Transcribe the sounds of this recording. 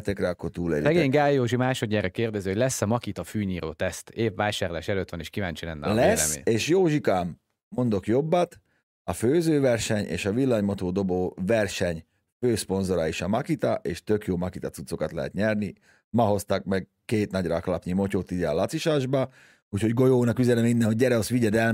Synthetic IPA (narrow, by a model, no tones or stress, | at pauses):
t̪ɛkɾɛɒkːo̞rt̪uːlḛːɾsɛɡeːɲɡaːjːoːʒimaːʃod̪ɲɛrɛkeːrd̪ɛziːhoɟʲlɛsːɒmɒkit̪ɒfyːɲiːɾo̰ːt̪ɛst̪eːvːaːjʃaːɾlaːʃɛløːt̪ʋɒneːʃkivaːɲt͡ʃilɛnːɛ̰lɛsːmḛːeːʃjoːʒikaːmː | o̞nd̪o̞kjo̞bːɒt̪ | ɒføːzøːvɛrʃɛɲḛːʃɒʋilːɒɲmot̪oːd̪o̞boːvɛrʃɛɲ | føːspo̞nzo̞ɾɒiʃɒmɒkit̪ɒʔeːʃt̪ø̞kjoːmɒkit̪ɒt̪sut̪so̞kɑt̪lɛɦɛ̰t̪ɲɛrni | mɒɦo̞st̪ɑkmɛɡ̚ | keːt̪nɒɟra̰ːklɒpɲimo̞coːt̪id̪ɛɒ̰lɒt̪siʃaːʒbɒ | uːcho̞ɟɡo̞joːnɒkyzɛnɛminːɛnɦoɟɟɛɾɛosʋiɟɛd̪ɛl